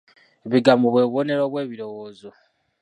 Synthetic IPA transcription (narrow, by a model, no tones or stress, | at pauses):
eβiɡamuβwe̞ːβwone̞ɾoːβwe̞ːβiɾo̞woːzo